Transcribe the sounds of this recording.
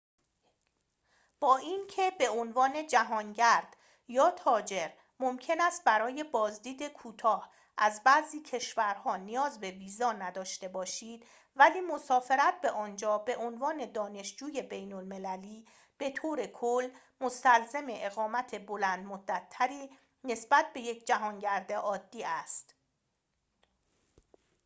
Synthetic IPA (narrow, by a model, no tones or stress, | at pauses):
b̥ɒːʔiːncʰe̞be̞onvɒːne̞d͡ʒæɦɒːnɟæɾd̪̥ | jɒːt̪ʰɒːd͡ʒe̞ɾ | momcʰe̞næst̪̚bæɾɒːje̞bɒːzd̪iːd̪e̞kʰuːt̪ʰɒːh | ʔæzbæziːcʰe̞ʃvæɾhɒːnijɒːzbe̞viːzɒːnæd̪ɒːʃt̪e̞bɒːʃiːd̪̥ | væliːmosɒːfe̞ɾæt̪̚be̞ʔɒːnd͡ʒɒːbe̞ʔonvɒːne̞d̪ɒːne̞ʃd͡ʒuːje̞be̞jnolme̞læliː | b̥e̞t̪ʰoːɾe̞kʰolː | most̪ælzeme̞ʔeɣɒːmæt̪ʰe̞bo̞lænd̪mod̪ːæt̪ʰːæɾiː | ne̞sbæt̪̚ʰbe̞jecʰd͡ʒæɦɒːnɟæɾd̪e̞ʔɒːd̪ːiːæst̪